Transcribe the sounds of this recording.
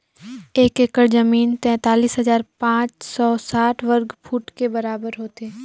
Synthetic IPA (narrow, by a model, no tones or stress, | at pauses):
eːkekəɾzəmiːnt̪ɛ̃ːt̪aːliːsɦɐzaːɾpãːt͡ʃsɔːsaːʈʰʋəɾɡpʰuːʈkebɐɾaːbəɾɦoːt̪eː